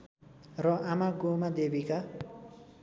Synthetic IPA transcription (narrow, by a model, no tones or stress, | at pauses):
rʌʔamaɡomad̪ebika